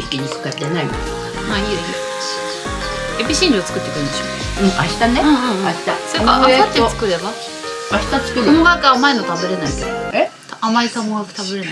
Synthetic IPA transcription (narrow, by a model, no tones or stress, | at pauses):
i̥kʲeɲ̟ikɯ̥kad̪enaike | maiɾi | epʲiɕĩnɾɯot͡sɨ̥kɯ̟t̪ːekɯɾɯ̃nd̪eɕo | ɯ̟̃ɴaɕi̥t̪aneɯ̃ːɯ̃aɕi̥t̪asoaka̰eat̪ːet͡sɨ̥kɯ̟ɾe̞ba | aɕi̥t̪at͡sɨ̥kɯɾ̃mbakaːmaenot̪abeɾe̞naiked̪oet̪aamaisamojakɯ̟̥t̪abeɾena